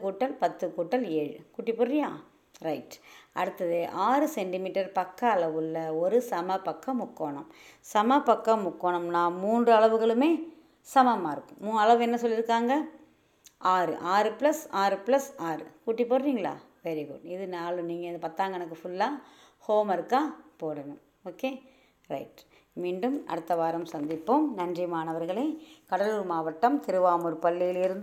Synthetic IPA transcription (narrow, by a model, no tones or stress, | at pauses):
kuːʈːɐlpɐt̪ːɯkuːʈːɐleːɻɯ̰kuːʈːɪpːoːɾɾɪjãː | ɾɐɪʈʔɐ̰ɽɯt̪ːɐðɯʔaːɾɯsɛɳʈɪmiːʈːɐɾpɐkːɐːɭɐʋɯlːɐɔɾɯsɐmɐpːɐkːɐmʊkːoːɳɐ̰msɐmɐpːɐkːɐ̃mʊkːoːɳɐmnãːmuːndrɯɐɭɐʋɯɣɐɭɯmeː | sɐmɐmaːɪɾɯkːɯ̃mũːɐɭɐʋɛnːɐsɔlːɪɾɯkːaːŋɡɐ | ʔaːɾɯ̰ʔaːɾɯpɪlɐsaːɾɯplɐsaːɾɯ̰kuːʈːipːoːɾɾiːŋɡɐɭa̰ː | ʋɛɾiɡʊɖɪðɯnaːlɯniːŋɡɐɪnðɐpɐt̪ːaːŋɡɐɛnɐkːɯfʊlːaː | hoːmɐɾɯkːaːpoːɽɐnɯ | oːkeː | ɾɐ̰ɪʈ | miːɳɖɯmɐ̰ɽɯt̪ːɐʋaːɾɐmsɐnd̪ɪpːɯmnɐndrɪjɐmaːnɐʋɐɾɣɐɭɐɪkɐɽɐlɯɾmaːʋɐʈːɐmt̪ɪɾɯʋaːmɔɾɯpɐlːijɪlɪɾɯnd̪